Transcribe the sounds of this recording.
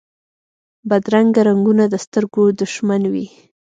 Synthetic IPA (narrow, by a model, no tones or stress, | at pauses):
bad̪ɾaŋɡaɾaŋɡunad̪əst̪əɾɡod̪ʊʃmanwḭ